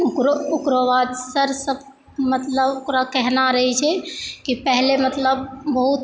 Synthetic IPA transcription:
kɾookɾoʋad̪səɾsəb | mət̪ləbokɾakɛɦnaɾəɦɛt͡ʃʰɛkipɛɦlemət̪ləbːəɦut̪

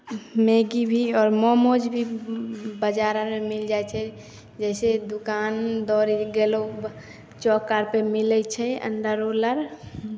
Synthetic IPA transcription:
meɡibʱiɔːɾmɔmod͡ʒbʱi | bəd͡ʒaɾaɾmemild͡ʒajt͡ʃʰɛ | d͡ʒɛsed̪ukand̪ɔːɾiɡelo | t͡ʃɔkaɾpemilɛt͡ʃʰɛə̰ɳɖ̪əɾoləɾ

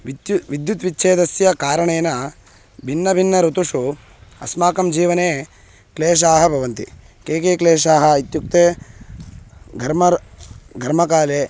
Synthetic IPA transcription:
ʋid̪jut̪ʋitːʃʰeːd̪ɐsjɐkaːɾɐɳeːnɐ | bʱinːɐbʱinːɐɾut̪uʂu | ɐ̰smaːkɐmd͡ʒiːʋɐneː | kleːʃ̬aːɦɐbʱɐʋɐnt̪ḭ | keːkeːkleːʂaːɦɐ̆it̪juk̚t̪eː | ɡʱɐɾmɐɡʱɐɾmɐkaːleː

